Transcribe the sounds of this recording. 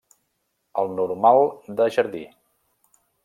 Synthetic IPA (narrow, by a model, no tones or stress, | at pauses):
əlˠnuɾmalˠd̪əʒəɾðḭ